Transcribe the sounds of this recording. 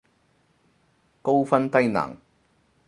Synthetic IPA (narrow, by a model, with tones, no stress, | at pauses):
ko˥wfɐ˥nt̪ɐ˥jnɐ̰ː˨˩ŋ